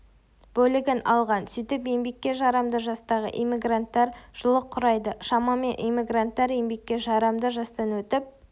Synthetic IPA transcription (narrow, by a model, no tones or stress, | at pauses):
b̥ɵlɪɡʲɪnɑ̰lˠʁɑnsʏjt̪ɪpe̞mbe̞kʲːe̞ʒɑɾɑmd̪əʒɑst̪ɑʁə̰ʔimiɡrant̪ːɑɾʒ̥ʊlˠəqʰːʊɾɑjd̪əʃɑmɑme̞nʔimiɡrant̪ːɑɾe̞mbe̞kʲːe̞ʒɑɾɑmd̪əʒɑst̪ɑnwɵt̪ɪp̚